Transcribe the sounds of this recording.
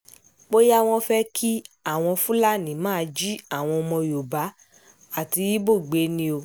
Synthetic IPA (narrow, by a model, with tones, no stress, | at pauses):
k͡po˦ja˦w̃ɔ̃˧fɛ˦kʰi˦a˦˨w̃ɔ̃˧fũ˦la˦˨nĩ˨mãː˦˧d͡ʒi˦a˦˨w̃ɔ̃˧ɔ˧mɔ̃˧jo˨ba˨˦ | a˦˨ti˧i˦bo˦˨ɡ͡be˨˦nĩ˧o˧